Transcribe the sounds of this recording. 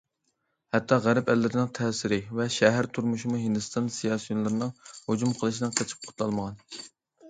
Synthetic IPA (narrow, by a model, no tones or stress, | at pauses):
hɛt̪ʰːɑʁæɾɛpɛlːɪɾɪnɪŋt̪ʰɛːsɪɾɪvɛʃɛɦæɾt̪ʰuɾmuʃimuɦind̪ɨst̪ɑnsijɑːsɨjonlˠɨɾɨnɨŋhod͡ʒumqʰəlˠɨʃinɨŋqʰɑt͡ʃʰi̥p̚qʰʊ̥t̪lˠɑlˠməʁɑn